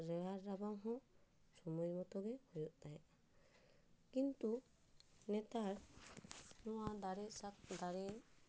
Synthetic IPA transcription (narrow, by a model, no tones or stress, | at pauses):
ɾɛwaɾːabamɦɔ̃ | sɔmujmɔt̪ɔɡɛhujɔʔt̪ajɛʔ | kint̪u | nɛt̪aɾ | nɔwad̪aɾɛsakd̪aɾɛ